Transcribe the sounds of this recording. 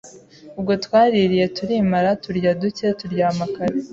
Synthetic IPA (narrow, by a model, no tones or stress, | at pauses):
ubɡo̞twaːɾiɾije̞tuɾimaɾatuɾɟaduce̞tuɾɟaːmakaɾe